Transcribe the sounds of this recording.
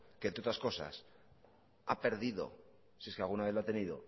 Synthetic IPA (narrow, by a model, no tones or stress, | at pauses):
kenɾot̪ɾasko̞sa̰s | ape̞ɾðiðo̞̰ | sieskealɣunaβeloat̪e̞niðo̞̰